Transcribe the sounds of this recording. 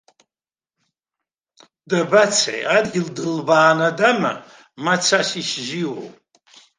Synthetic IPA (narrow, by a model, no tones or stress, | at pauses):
dɐbɐt͡sʰḛjadildɨlbaːnɐdɐmɐ̰ | mɐt͡sʰaɕiʃʒiwo̰w